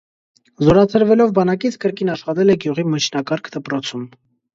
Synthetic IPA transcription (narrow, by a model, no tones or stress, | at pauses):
zɔɾɑt͡sʰəɾvɛlɔvbɑnɑkit͡sʰkəɾkinɑʃχɑt̪ɛlɛɡjuʁimət͡ʃʰnɑkɑɾkʰd̪əpɾɔt͡sʰum